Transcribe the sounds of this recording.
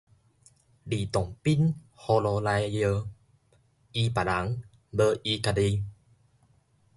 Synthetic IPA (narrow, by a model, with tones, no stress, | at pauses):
li˨˩t̪ɔ˨˩ŋpi˦˥n | hɔ˧lɔ˧la˧jjə˧ | i˧pa˨˩la˨˦ŋ | bə˧ʔi˧ka˧di˧